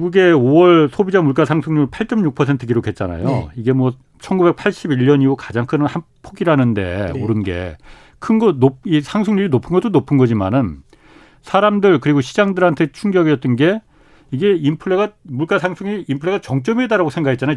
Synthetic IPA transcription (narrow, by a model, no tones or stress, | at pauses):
ɡuɡe̞owʌɭsʰobid͡ʑamuɭk͈asʰaŋsʰɯŋɲupʰaɭt͡ɕ͈ʌmɲuk̚pʰʌsʰe̞ntʰɯɡiɾokʰe̞t̚t͡ɕ͈ana̰jo̰iɡe̞mwʌ | t͡ɕʰʌnɡube̞k̚pʰaɭɕ͈ibiʎːʌniɡokad͡ʑaŋkʰɯnhan | pʰoɡiɾanɯnde̞̰oɾɯnɡe̞̰ | kʰɯnɡʌnop̚isʰaŋsʰɯŋɲuɾinopʰɯnɡʌt͈onopʰɯnɡʌd͡ʑima̰nɯn | sʰaɾamdɯɭkɯɾiɡoɕʰid͡ʑaŋdɯɾɦantʰe̞t͡ɕʰuŋɡjʌɡiʌt͈ɯnɡe̞ | iɡe̞impʰɯɭːeɡamuɭk͈asʰaŋsʰuŋiimpʰɯɭeat͡ɕʌŋt͡ɕ͈ʌmedaɾaɡosʰeŋɡakʰet̚t͡ɕanajo